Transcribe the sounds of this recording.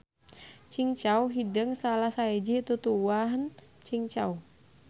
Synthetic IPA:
t͡ʃiŋt͡ʃauɦidəŋsalahsaed͡ʒit̪ut̪uwaɦənt͡ʃiŋt͡ʃau

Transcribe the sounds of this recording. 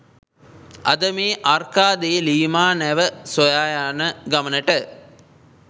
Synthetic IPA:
ʔa̰d̪əmeːʔarkaːd̪eːliːmaːnɛʋəsojaːjaːnəɡamənəʈə

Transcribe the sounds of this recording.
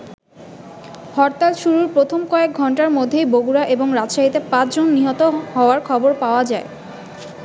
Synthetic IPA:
hɔɾt̪alʃuɾuɾpɾot̪ʰomkɔek̚ɡʱɔɳʈaɾmod̪ʱːejboɡuɾaʔeboŋɾadʃaɦit̪epãt͡ɕd͡ʑonːiɦɔt̪oɦɔoaɾkʰɔboɾpaoad͡ʑae

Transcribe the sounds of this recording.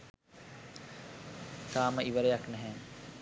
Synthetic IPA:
t̪aːməʔiʋəɾejaknɛɦɛː

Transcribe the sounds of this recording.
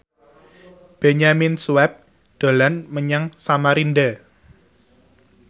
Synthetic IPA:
b̥eɲaminsuwɛp̚ | d̪̥o̤lanməɲaŋsamaɾində

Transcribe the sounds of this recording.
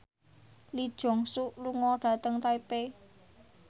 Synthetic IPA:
lid̥ʒ̥ɔ̤ŋsuʔluŋɔɖ̥ä̤t̪əŋt̪aipe

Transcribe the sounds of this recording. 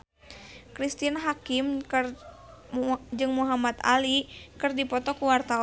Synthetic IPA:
kɾist̪inɦakimr | d͡ʒɨŋmuɦamat̪a̰likɨrdipɔt̪ɔkuwart̪a

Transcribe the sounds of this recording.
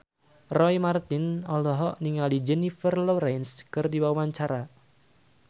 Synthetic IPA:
rɔimart̪ɪnɔlɔɦɔʔniŋalid͡ʒɛnifərlɔɾɛnskɨrdiwawaɲt͡ʃaɾa

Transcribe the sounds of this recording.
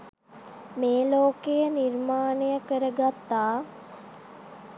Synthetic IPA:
meːloːkejənirmaːnejəkəɾəɡat̪ːaː

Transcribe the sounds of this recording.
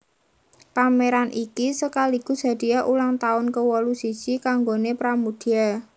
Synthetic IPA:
pameɾanʔikisəkaliɡ̥ṳsa̤d̪̥i̤jaʔulaŋt̪aʊnkəwɔlusisikaŋɡonepɾamud̪̥ia

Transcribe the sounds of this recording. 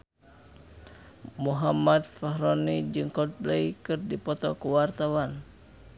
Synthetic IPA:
muɦamad̪̚faɦɾɔnid͡ʒɨŋkɔt̪̚blɛjkɨrdipɔt̪ɔkuwart̪awan

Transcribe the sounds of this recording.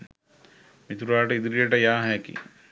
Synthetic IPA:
mit̪uɾaːʈəid̪uɾijəʈəjaːɦɛkḭ

